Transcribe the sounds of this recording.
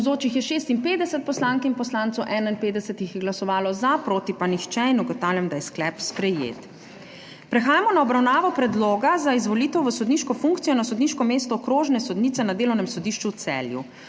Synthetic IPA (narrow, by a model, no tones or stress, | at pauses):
zoːt͡ʃixjɛʃeːst̪inpeːd̪ɛsɛt̪̚pɔslaːŋkinpɔslaːnt̪sɔwʔɛːnainpeːd̪ɛsɛt̪ixjɛɡlasɔʋaːlɔzapɾoːt̪ipanixt͡ʃɛinɔɡɔt̪aːwljamd̪ajɛsklɛpspɾɛjḛːt̪ | pɾɛxaːjamɔnaɔbɾawnaːʋɔpɾɛd̪loːɡazaizʋɔliːt̪ɛwʋəsɔd̪niːʃkɔfuŋkt̪sijɔnasɔd̪niʃkɔmeːst̪ɔːkɾoːʒnɛsɔd̪niːt̪sɛnad̪eːlɔwnɛmsɔd̪iʃt͡ʃut̪sɛ̰ːljṵ